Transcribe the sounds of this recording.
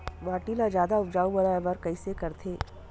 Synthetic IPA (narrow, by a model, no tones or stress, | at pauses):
ʋaːʈilad͡ʒjaːd̪aʊd͡ʒaːubɐɾaɛʋɐɾkɐisekɐɾt̪ʰeː